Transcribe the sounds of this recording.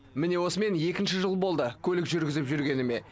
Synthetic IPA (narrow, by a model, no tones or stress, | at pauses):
mɪne̞wo̞səme̞nje̞kʲɪnʃɪʒəlˠbo̞lˠd̪əkʲʰɵlɪkʒʏɾɡʲɪzɪpʒʏɾɡʲe̞nɪme̞